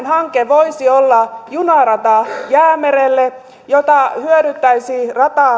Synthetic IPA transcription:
nhɑŋkeʋoisiolːɑjunɑrɑt̪ɑjæːmerelːe | jot̪ɑhyøɾyt̪ːæisiːrɑt̪ɑː

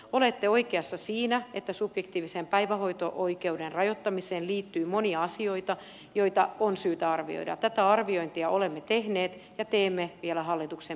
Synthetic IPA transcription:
olet̪ːeoikeɑsːɑsiːnæet̪ːæsub̥jekt̪iːʋisempæiʋæho̞it̪o̰ʔoike̞udenrɑjot̪ːɑmiseːnliːt̪ːyːmoniɑɑsio̞it̪ɑ | jo̞it̪ɑonsyːt̪æɑrʋḭo̰idɑ̰t̪æt̪æɑrʋioint̪iɑʔolemːet̪ehneːt̪jɑt̪eːmːeʋielæɦɑlːit̪ukse

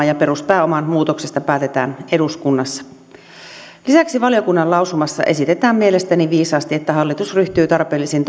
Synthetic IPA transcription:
jɑpe̞ɾuspæːo̞mɑnmuːt̪o̞ksest̪ɑpæːt̪e̞t̪æ̰ːne̞duskunːɑsːɑ̥ | lisæksiʋɑlijo̞kunːɑllɑwsumɑsːɑ̰ʔe̞sit̪et̪æːmmiele̞st̪æniʋiːsɑːst̪iet̪ːæɦɑlːit̪usryht̪yːt̪ɑrpe̞ːlːisint̪

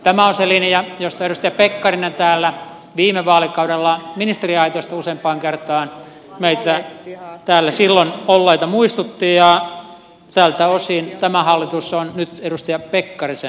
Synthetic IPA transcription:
t̪æmæõnselinjɑjost̪ɑeɾust̪ijɑpekːɑrinent̪æːlːæ | ʋiːmeʋɑːlikɑuɾelːɑminist̪eriɑit̪oist̪ɑuseːmpɑːŋkert̪ɑːn | meit̪æt̪æːlːæsilːonolːeit̪ɑmuist̪ut̪ːiːjɑ | t̪æːlt̪æosint̪æmæhɑlːit̪usonnyt̪eɾust̪ijɑpekːɑrise

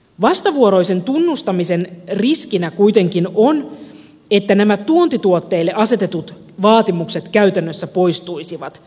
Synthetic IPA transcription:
ʋɑst̪ɑʋuoɾo̞jse̞nt̪unːust̪ɑmise̞nriskinækujt̪e̞ŋkinon | e̞t̪ːænæmæuont̪it̪uot̪ːe̞ilːeʔɑse̞t̪e̞t̪ut̪ | ʋɑːt̪imukse̞t̪kæyt̪ænːøsːæpo̞jst̪uisiʋɑt̪

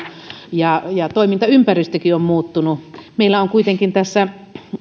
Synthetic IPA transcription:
jɑjɑt̪oimint̪ɑympærist̪økiommuːt̪ːunumeilːˑæoŋkuit̪eŋkint̪æsːæ

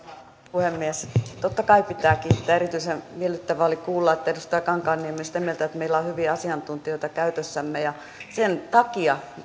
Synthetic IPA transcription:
puhemːiest̪ot̪ːɑkɑipit̪æːkiːt̪ːæːeɾit̪yisenʋielːyt̪ːæʋæolikuːlːɑet̪ːæedust̪ɑɑkɑŋkɑːnːiemːisi̥t̪æmielt̪æet̪meilːæohyʋiɑsiɑnt̪unt̪ioit̪ɑkæyt̪øsːæmːejɑ | sent̪ɑkiɑ

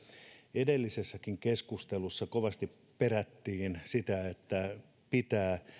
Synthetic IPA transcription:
edelːisesːækiŋkeskust̪elusːɑkoʋɑst̪i | peɾæt̪ːiːnsit̪æet̪ːæ | pit̪æː

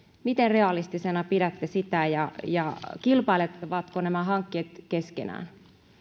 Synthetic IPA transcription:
mit̪enreɑlist̪isenɑpiɾæt̪ːesit̪æjɑjɑkilpɑilet̪ːɑʋɑt̪konæmæɦɑŋkːeːt̪ke̞skḛnæ̰ːn

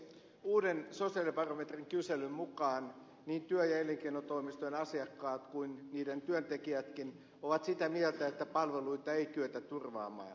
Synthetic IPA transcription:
uːdensosiɑlipɑromet̪riŋkyselymmukɑːn | niːnt̪yøjɑeleŋkeinot̪oimist̪ojenɑsiɑkːɑːt̪kuinniːdent̪yønt̪ekiæt̪kin | oʋɑt̪sit̪æmielt̪æet̪ːæpɑlʋeluit̪ɑeit̪yøt̪ætt̪urʋɑ̰ːmɑ̰ː

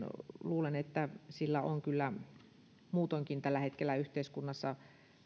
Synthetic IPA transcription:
luːlenet̪ːæsilːæoŋkylːæ | muːt̪oŋkint̪ælːæhet̪kelːæyht̪eiskunːɑsːɑ

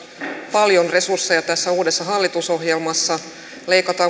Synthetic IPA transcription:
pɑljo̞nre̞sursːejɑt̪æsːæuːde̞sːɑɦɑlːit̪uso̞ɦjelmɑsːɑ | le̞jkɑt̪ɑː

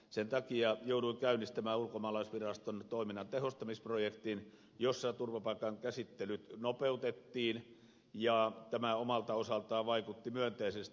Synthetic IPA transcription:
sent̪ɑkiɑjouduikæynːˑist̪æmæːulkomɑːlɑisʋirɑst̪ont̪oˑiminɑnt̪ehost̪ɑmisprojekt̪in | josːɑt̪urʋɑpɑikˑɑŋkæsit̪ːelyt̪nopeut̪et̪ːiːn | jɑˑt̪æmæomɑlt̪ɑosɑlt̪ɑːʋɑikut̪ːimyønt̪eisest̪

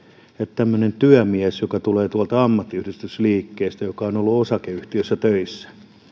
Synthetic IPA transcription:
ett̪æmːønent̪yæmiesjokɑt̪uleːt̪uɑlt̪ɑɑmːɑt̪ːiyhdyst̪ysliːkːeːst̪æjokɑonolːuosɑkeyht̪iøsːæt̪øisːæ̥

